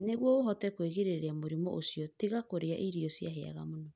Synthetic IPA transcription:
neɣwɔoɦɔtɛkweɣeɾeɾeamoɾimɔʔosjɔtiɣakoɾeaʔiɾiɔsjaɦea̰ɣamonɔ

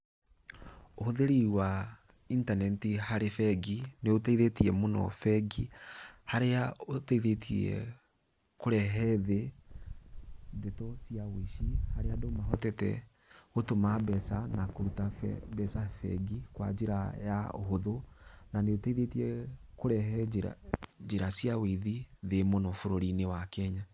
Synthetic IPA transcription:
ohoðeɾiwa | intanɛtihaɾefɛɡineoteiðetiɛmonɔ̰fɛɡihaɾeaoteiðetʰiɛ̰ | koɾɛɦɛðe | detɔsijawiʃihaɾeadomaɦɔtɛtɛ̰ | otomabɛsanakoɾutafɛbɛsafɛ̰ɡikwa̰d͡ʒeɾaja̰o̰ɦoðonaneotaiðetiɛkoɾɛɦɛɾa̰d͡ʒeɾasiaweðiðemonɔfoɾoɾinewakɛɲa

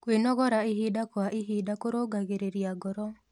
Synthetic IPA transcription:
kwenɔɣɔɾaiɦidakwaʔiɦidakoɾoɡaɣeɾeɾiaɡɔɾɔ

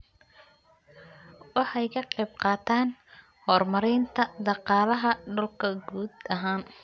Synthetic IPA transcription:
wɑħɑjkʰɐqɛjb̚qɑːt̪ʰaːn | hɔrmɐɾɪːnt̪ʰɐd̪ɑqɑːlɐɦɐɖɔlkʰɐɡuːd̪ɐɦaːn

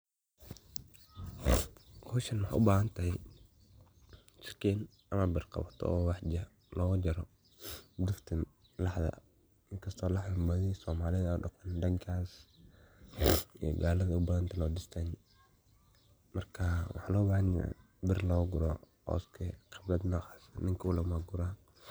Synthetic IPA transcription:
ɔʃɐnwɑħʔʊbaːhɐnt̪ʰɐɦɛj | t͡ʃɪ̥kʰɛːn | ʔɐmɐbɪrqɑ̰βɐt̪ʰɔ̰ɔːwɑħd͡ʒɐ | lɔːɣʊd͡ʒɐɾɔ | d̪ʊft̪ʰɪn | lɑħðɐ̰ | ɪŋkʰɐst̪ʰɔːlɑħɪmbɐðɪsɔːmaːlɪðɐʊɖɑqɔnɖɐŋkʰaːs | ij̰ɡaːlɐðɐʊbaːðɐnt̪ʰɐlɔːdɪst̪ʰan | mɐrkʰawɑ̰ħɑːlɔːbaːhɐna̰ | bɪrlɔːɡʊɾɔhɔ̰ːskʰɛqʰɪblɐd̪nɔːhɑ̥snɪŋkʰʊwlɐmaɡʊɾaː

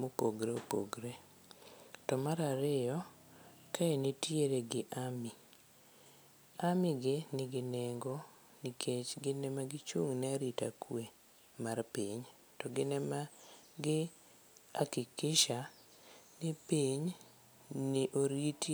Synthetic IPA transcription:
mopoɡɾeopo̰ɡɾe | tɔmaɾaɾɪjɔ | kaenetjeɾeɡɪʔami | amɪɡɪnɪɡɪnɛŋɡɔ | nikʰet͡ʃɡɪnɛmaɡɪt͡ʃuŋnɛaɾita̰kwe | marpiɲ | tɔɡɪnɛma | ɡɪ | akɪkɪʃa | nɪpiɲ | nɪʔoɾit

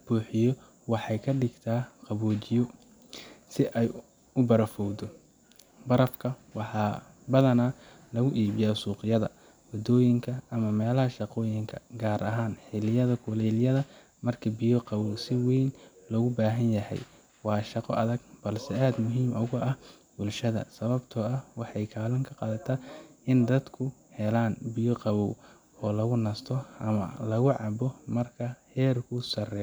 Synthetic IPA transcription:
b̥uːħɪjɔ | wɑħɑjkʰɐɖɪɡt̪ʰaːqɑβɔːt͡ʃɪjɔ | sɪʔɛj | ʊbɐɾɐfɔwd̪ɔ | bɐɾɐfkʰɐwɑħɑ | bɐðɐnaː | lɐɣʊʔiːβɪjasuːqɪjɐðɐ̰ | wɐd̪ɔːjɪŋkʰɐɐmɐmɛːlɐɦɐʃɑqɔːjɪŋkʰɐ̰ɡaːɾʔɐɦaːnħɪlɪjɐðɐkʰʊlɛljɐðɐ | mɐrkʰɐbɪjɔqɑβɔwsɪwɛjnlɔɣʊbaːɦɐnjɐɦɛ̰j | wɑːʃɑqɔʔɐðɐɡ̚b̥ɐlsɛaːd̪mʊɦiːmʊɣʊʔɐh | bʊlʃɐðɐ̰sɐβɐbt̪ʰɔɐhwɑħɑjkʰaːlɐŋkʰɐqɑːðɐt̪ʰɐɪnd̪ɐd̪kʰʊhɛlaːnbɪjɔqɑβɔw | ɔːlɐɣʊnɐst̪ʰɔʔɐmɐ̰lɐɣʊʕɑbɔmɐrkʰɐhɛːrkʰʊsɐrɛ

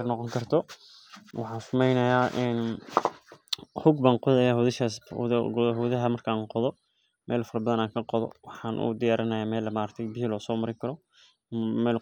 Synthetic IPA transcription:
rnɔqɔŋkʰɐrt̪ʰɔ | wɑħɑ̃ːnsʊmɛjnɐjaːʔɛn | hʊɡbaːŋqɔðɐjaɦʊðɪʃaːsɡɦʊðɐɦɐmɐrkʰaaːŋqɔðɔ | mʔɛːlfɐɾɐbɐðɐnaːŋkʰɐqɔðɔ̰wɑħɑːnʔṵd̪ɪjaːɾɐnɐjaːmɛːlmaːɾɐk̚t̪ʰɛjbɪɦilɔːsɔːmɐɾɪŋkʰɐɾɔ | mɛːl

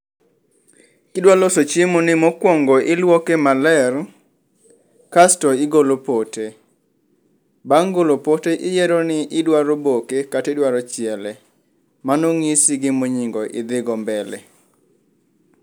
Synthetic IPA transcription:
kɪdwalosot͡ʃemonɪmokwɔŋɡɔʔɪlwɔkemalɛr | kastɔɪɡolopote | baŋɡolopoteʔɪjɛɾɔnɪʔɪdwaɾobokekatedwaɾɔt͡ʃɪɛlɛ | manoŋisɪɡɪmoɲiŋɡɔʔɪ̰d̪ɪɡɔmbɛlɛ̰

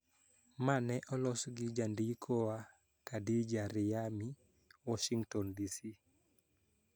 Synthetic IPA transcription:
manɛʔɔlɔsɡɪd͡ʒandikʰɔwa | kadid͡ʒaɾɪami | wɔʃiŋɡtɔndisi

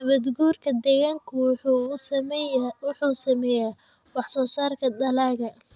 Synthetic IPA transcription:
ɐβɐd̪ɡuːrkʰɐd̪ɛɣaːŋkʰʊ | wħuːsɐmɛjaː | wɑħsɔːsaːrkʰɐd̪ɐlaːɣɐ

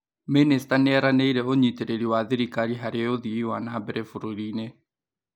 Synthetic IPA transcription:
ministanɛɾaneiɾɛoɲiteɾeɾiwaðiɾikaɾiɦaɾeoðiiwanabɛɾefuɾoɾiːne

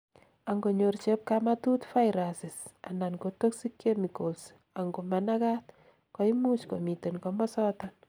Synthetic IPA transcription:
aŋɡoɲort͡ʃep̚kamatutfajɾasɪsa̰nankotoksikemikols | aŋɡomɛnakat | kɔimut͡ʃkomitenkɔmɔsɔtɔn

